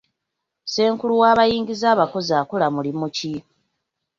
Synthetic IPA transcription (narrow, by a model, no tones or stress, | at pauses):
se̞ːŋkuluwaːβajiːŋɟizaːβako̞zaːkolamulimuci